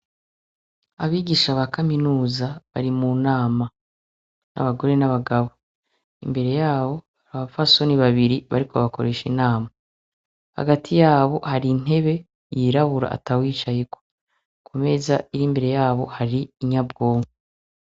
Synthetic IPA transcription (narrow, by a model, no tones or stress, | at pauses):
aβiːɡiʃaβakaminuːzaβa̰ɾimunaːma | na̰βaɡo̞ɾe̞naβaɡaβo̞ | imbe̞ɾe̞jaːβo̞haɾaβafaso̞niβaβiɾiβa̰ɾiko̞̰βako̞ɾe̞ʃinaːma | ha̰ɡatʰijaːβo̞haɾin̥e̞βe̞ | jiːɾaβuɾa̰ʔa̰tawiːt͡ʃajeko | kʰume̞zaiɾimbe̞ɾe̞jaːβo̞haɾiːɲabɡo̞ːŋɡe